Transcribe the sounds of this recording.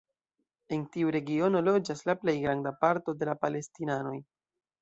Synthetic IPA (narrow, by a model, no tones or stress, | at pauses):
e̞ntiuɾe̞ɡio̞no̞lo̞d͡ʒaslaple̞jɡɾandapaɾto̞de̞lapale̞stinano̞j